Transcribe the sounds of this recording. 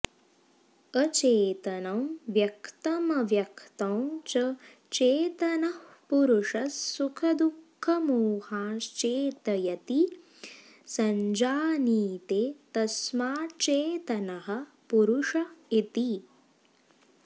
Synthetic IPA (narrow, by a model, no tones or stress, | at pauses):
ɐt͡ʃeːt̪ɐnɐmʋjɐkt̪ɐmɐʋjɐkʰt̪ɐ̃w̃t͡ʃɐ | t͡ʃeːt̪ɐnɐh | puɾuʂɐsːukʰɐd̪ukʰːɐmuːhaːt͡ʃeːt̪ɐjɐt̪i | sɐɲd͡ʒaːniːt̪eːt̪ɐsmaːt͡ʃeːt̪ɐnɐɦɐ̆ | puɾuʂɐit̪i